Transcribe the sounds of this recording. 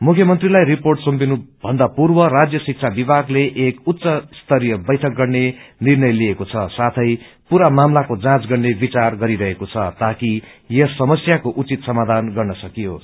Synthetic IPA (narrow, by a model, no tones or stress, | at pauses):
mukʰjʌmʌnt̪rilajɾiporʈsompinubʱʌnd̪apurbʌrad͡zjʌsik̚t͡sʰabibʱaɡleʔekut̪ːsʌst̪ʰʌɾijʌbʌjʈʰʌk̚ɡʌrnenirnʌjliekot͡sʰʌsat̪ʰʌj | puɾamamlakod͡zãt͡sɡʌrnebit͡sarɡʌɾiɾʌɦekot͡sʰʌt̪aki | jʌsʌmʌsjakoʔut͡sit̪sʌmad̪ʱanɡʌrnʌsʌkijo